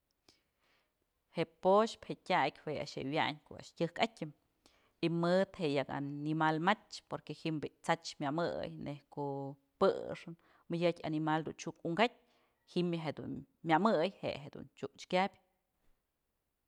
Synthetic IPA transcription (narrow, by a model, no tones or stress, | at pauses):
heʔpoʃphetʲakʲhwea̰ʃhḛwʲja̰ɲko̰ʔa̰ʔʃtʲɨhkatʲːɨm | imɨd̪heʔjaka̰nimalmat͡ʃʲpoɾkehimbiʔt͡sat͡ʃmʲamɨ̰jnʔehkoʔ | pɨ̰ʂɨn | mɨjʲɨtʲa̰nimald̪ṵnt͡ʃukuŋɡat̚ʲ | himjaɦed̪ṵn | mʲamɨjhḛʔɦed̪ṵnt͡ʃuʔt͡ʃkʲabʲ